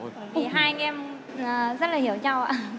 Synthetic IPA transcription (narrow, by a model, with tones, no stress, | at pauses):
t̪i˨˩ɦaː˧jʔɛ˧m | ʔaː˨˩zə˦˥t̚laː˨˩hi˧˩əwt͡ɕa˧wʔa̰ː˧